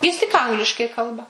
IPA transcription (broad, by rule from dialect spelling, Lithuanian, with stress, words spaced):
ˈjɪs tʲɪk ˈɐŋɡlʲɪʃkɐɪ ˈkɐlˠbɐ